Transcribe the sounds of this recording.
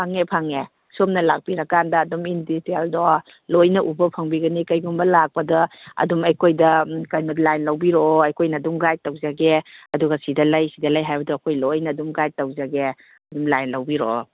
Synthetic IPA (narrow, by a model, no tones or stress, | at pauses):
pʰaŋepʰaŋe | somnɐlak̚piɾɐkandɐːduminditeldɔ | lojnɐʔubɐpʰɐŋbiɡɐnikɐjɡumbɐlak̚pɐdɐɐ̰dumɐjkʰojdɐkɐjmɐtlajnlɐwbiɾoɐjkʰojnɐdumɡajtːɐwzaɡeɐduɡɐsidɐlɐjsidɐlɐjɦajbɐdɐɐkʰojlojnɐːdumɡaj̚tːɐwzaɡe | ɐdumlajnlɐwbiɾo̰